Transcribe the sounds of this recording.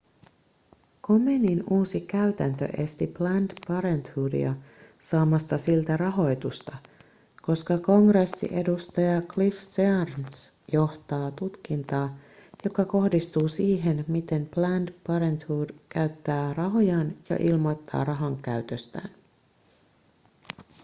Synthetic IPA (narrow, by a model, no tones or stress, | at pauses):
kome̞ninuːsikæɥt̪ænt̪ø̰ʔe̞st̪iplændpɑɾent̪huːdḭɑsɑːmɑst̪ɑsilt̪ærɑɦo̞jt̪ust̪ɑ | ko̞skɑko̞ŋresːḭʔe̞dust̪ɑjɑklifseɑrns | jo̞ht̪ɑːt̪ut̪k̟int̪ɑːjo̞kɑko̞hdist̪uːsiːɦe̞nmit̪e̞mplændpɑɾent̪huːdkæɥt̪ːæːrɑɦo̞jɑnjɑ̰ʔilmo̞jt̪ːɑ̰ːrɑɦɑŋkæ̰ɥt̪øst̪æ̰ːn